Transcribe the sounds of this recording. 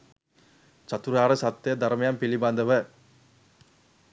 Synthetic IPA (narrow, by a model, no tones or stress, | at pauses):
t͡ʃɐt̪ːuɾaːɾɐsɐt̪ːɐjɐd̪ɐɾmɐjaːmpiɭibaːnd̪ɐʋɐ